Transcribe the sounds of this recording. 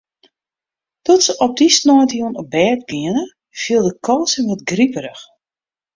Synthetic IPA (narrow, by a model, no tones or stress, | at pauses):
tɔtsəʔɔp̚disnɔjtjunəbɛːt̚ɡɪənə | fiəlˠdəkʰɔlˠsənʋɔtɡripəɾəx